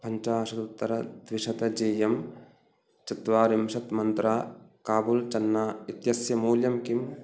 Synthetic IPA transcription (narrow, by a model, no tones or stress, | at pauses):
pʰɐɲt͡ʃaːɐʃɐt̪ut̪ːɐɾɐd̪ʋiʃɐt̪ɐd͡ʒeːjɐm | t͡ʃɐt̪ʋaːɾimʃɐt̪mɐnt̪ɾaːkaːbult͡ʃɐnːaːit̪jɐsjɐmuːljɐmkim